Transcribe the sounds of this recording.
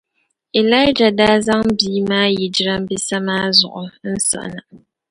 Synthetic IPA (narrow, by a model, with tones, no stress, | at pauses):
e˨la˦ɪ˦d͡ʒa˨daː˦za˦ŋbiː˦maː˦ji˨d͡ʒi˦ɾa˦m˦bi˦sa˦maː˦zʊ̰˨ʔʊ˨n̩˦sa̰˨ʔna˨